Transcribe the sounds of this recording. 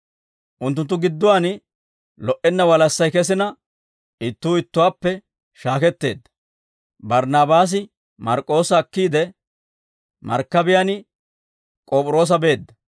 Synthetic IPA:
ʔʊnt̪̬ːʊnt̪ːʊɡɪd̪ːʊwaːn | lɔʔɛnːɐwɐlɐsːɐjkɛs̬ɪnɐ | ɪt̪ːuːɪt̪ːʊwaːpːɛ | ʃaːkɛt̪ːe̞̰ːd̪ːɐ̥ | bɐɾnaːbaːs̬ɪ | mɐɾkʼːo̞ːsɐːkːiːd̪ɛ | mɐ̰ɾkːɐbɪjaːnɪ | kʼoːpʼʊɾo̞ːs̬ɐbe̞ːd̪ːɐ

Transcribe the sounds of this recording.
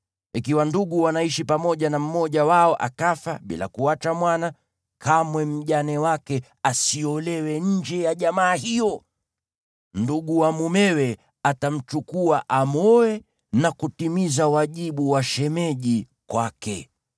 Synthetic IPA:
ikiwanduɠuwanaiʃipamɔʄanam̩mɔʄawaɔʔa̰kafaɓḭla̰kuat͡ʃamwana | kʰamwɛm̩ʄanɛwakɛ | asiɔlɛwɛɲ̩d͡ʒɛjaʄamaːɦijɔ | nduɠuwamumɛwɛ | atam̩t͡ʃukuaʔamɔɛ | nakutimizawaʄiɓuwaʃɛmɛʄi | kwakɛ

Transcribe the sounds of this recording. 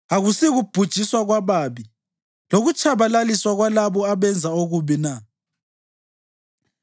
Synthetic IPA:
aɣusiɣub̥ʱud̥ʒ̥ʱiswaɣwaβaːβi | loɣut͡ʃʰʼaβalaliswaɣwalaβɔaβɛnd͡zʱaoɣuβina

